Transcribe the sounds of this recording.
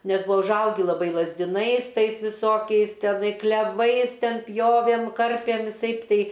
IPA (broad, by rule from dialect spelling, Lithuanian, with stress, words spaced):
ˈnʲɛs ˈbʊɐ ʊʒˈɐʊɡʲɪ lˠɐˈbɐɪ lˠɐzʲdʲɪˈnɐɪs ˈtɐɪs ʋʲɪˈsoːkʲɛɪs tʲɛˈnɐɪ klʲɛˈʋɐɪs ˈtʲɛn ˈpʲjoːʋʲeːm ˈkɐrʲpʲeːm ʋʲɪˈsɐɪp ˈtʲɛɪ